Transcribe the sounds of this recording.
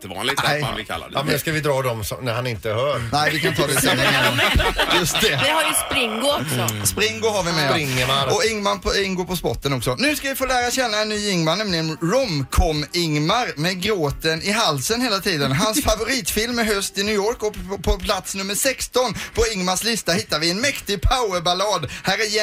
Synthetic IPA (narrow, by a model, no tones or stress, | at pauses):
lɪ̰ɪa̰l̰ːmɛskavɪd̪ɾɑːd̪ɔmsɔ̰mnæɾhanɪnt̪əhœːɾnɛɪʋɪkʰanɪt̪ɑːd̪ɛsɛnːɪŋanajɵst̪d̪ɛɪhaɾjəspɾɪŋɡʊɔksɔspɾɪŋɡʊɦaɾvɪmɛɪŋaɾɔɪŋmanpʰɔɪŋɡʊpʰɔspɔ̰ʈːənɔksɔnʉ̟ːskavɪfoːlæːɾaɕɛnːaɛnːyːɪŋmanɛmlɪɡənɾɔmkʰɔmɪŋmaɾmɛɡɾoːt̪ənɪɦalːsənheːlat̪ʰiːd̪ənɦansfavʊɾiːt̪fɪlmɪɦœst̪ɪnʉːjoːɾkɔpʰɔpʰlat̪snɵmːəɾʂɛkst̪ɔnpʰɔɪŋmaʂlɪst̪ahɪt̪ːaɾvɪɛnmɛkt̪ɪɡ̚pʰaʊəɾbalɑːd̪hæːɾj